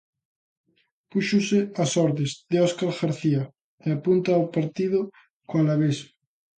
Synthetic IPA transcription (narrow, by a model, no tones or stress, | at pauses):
puʃʊseasɔɾðezðeɔskaɾɣaɾθia | eapunt̪aːwpaɾt̪iðʊ | koalaβes